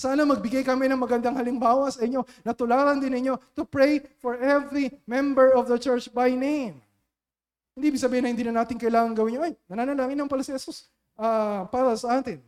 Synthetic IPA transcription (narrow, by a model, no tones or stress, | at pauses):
saːnɐmɐɡ̚bɪɡajkɐmɪnɐŋmɐɡɐnd̪aŋhɐlɪŋbaːwɐsɐʔɪɲːo̞nɐt̪ʊlaːɾɐnd̪ɪnɪɲːo̞t̪ʊpɹejfɔɹʔɛvɹimɛ̃mbɛɹɔvd̪ɐt͡ʃɛɹt͡ʃbɐjnejm | hɪnd̪iːʔɪbɪɡsɐbiːhɪnɐhɪnd̪inɐnaːt̪ɪŋkɐjlaːŋɐŋɡɐwɪɲːoʔɐjnɐnaːnɐlaːŋɪnmɐmpɐlasɪhɛsus | ʔɐpaːɾɐsɐʔaːt̪ɪn